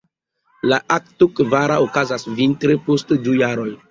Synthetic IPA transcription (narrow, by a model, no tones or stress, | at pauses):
laʔak̚tokvaɾaokazasvintɾepostdujaɾo̞j